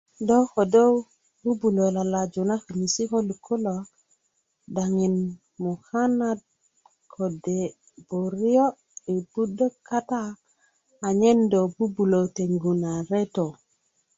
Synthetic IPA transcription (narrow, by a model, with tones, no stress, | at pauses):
do˦ko˨do˦ | b̥u˦bu˨lo˨la˨la˨d͡ʒu˨na˦ki˨ni˨si˦ko˦lu˨kʰu˦lo˨ | da˨ŋi˨n | mu˨ha˦na˦d̚ | kʰo˨de˨ | b̥o˨ɾi˦o˦ | i˨bu˦də˦kːa˦taː˦˨ | ɲe˦ndo˨bu˦bu˨lo˨te˨ŋɡu˨na˨ɾe˦to˨